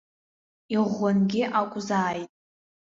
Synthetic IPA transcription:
iʁʷːanɡʲɪʔakʷʼzaːjtʼ

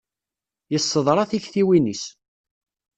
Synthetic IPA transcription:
jəsˤːəðˤɾˤɑθiçθiwinis

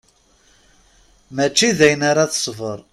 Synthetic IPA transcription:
mæt͡ʃːiðæjnaɾaθə̥sˤvəɾˤ

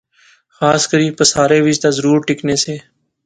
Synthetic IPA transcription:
xaːskəɾiːpəsaːɾeːʋɪd͡ʒt̪aːzəɾuːɾʈɪkneːseː

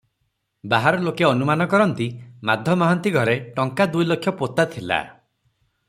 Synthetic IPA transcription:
baɦaɾɔlokeɔnumanɔkɔɾɔnt̪imad̪ʱjɔmɔɦɔnt̪iɡʱɔɾeʈɔŋkad̪ujlokʰːjɔpot̪at̪ʰila̰

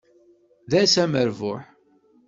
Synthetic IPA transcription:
ðæsæməɾvʊħ

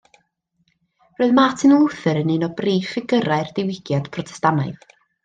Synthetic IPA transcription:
roːɨðmatʰɪnˠʊθɨɾənɪnɔbriːfɪɡəɾaɨrd̥ɪwɪɡ̥jad̥pʰrɔtʰɛ̥stanaɨð

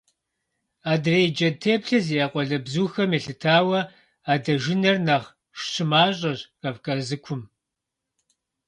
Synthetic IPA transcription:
aːdreːjd͡ʒɐtʰeːpɬɐziaːqʷʼɔɮɐbzuːxɐmeɬɨtʰaːwɐ | aːdɐʒɪnɐrnaχ | ʃɕʰɪmaːɕʼɐɕrɐpkʰʼɐzɨkʷʰʊm

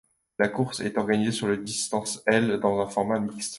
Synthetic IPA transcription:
lakuʁsɛ̰t̪ɔʁɡanizesyʁləd̪ist̪ɑ̃sɛld̪ɑ̃zɛ̃fɔʁmamikst̪

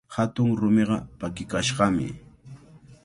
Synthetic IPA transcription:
hat̪ʊŋɾʊmeɢɑ̰pakɪkaʃɢɑmɪ̰

